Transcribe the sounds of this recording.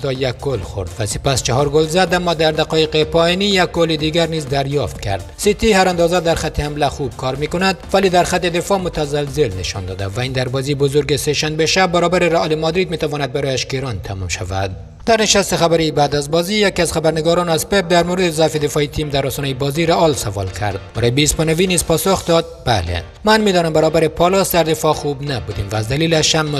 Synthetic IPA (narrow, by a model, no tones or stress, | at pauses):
d̪ɒjak̚ɡolxo̰ɾd̪væsepæst͡ʃaɦɒɾɡolzad̪amːɔd̪æɾd̪aqɒjeqepʰɒjinijak̚ɡoled̪iɡæɾnizd̪æɾjɒft̪̚kʰæ̰ɾd̪sit̪ihaɾand̪ɒzad̪æɾxat̪ʰːehamlæxub̥̚kʰɒɾmikonad̪vælid̪æɾxat̪ːed̪efɒmot̪azalzelneʃɒ̰nd̪ɒ̰ːd̪a̰væind̪æɾbɒzibozoɾɡeseʃanbeʃabːæɾɔbaɾeɾaʔɒlemɒd̪ɾid̪̚mit̪avɔːnad̪̚baɾɔjaʃkeɾɒnt̪ʰamṵmʃa̰væ̰d̪ | d̪̥æɾneʃast̪exabaɾibaːd̪azbɒzijakiazχabæɾneɡɒɾɒnazpep̚d̪æɾmoɾed̪ezafed̪efɒit̪ʰimd̪aɾɔsɔːnɛjebɒziɾaʔɒlsavɒ̰lkʰæ̰ɾd̪̥̚bæɾɔjebiːspɔnavinizpɒsoxd̪ɒd̪̚bæ̰lḛ | manmed̪ɔːnambaɾɒːbaɾepʰɒlɔsd̪aɾd̪efɒxubnabud̪imvæːzd̪æliːlaʃhamː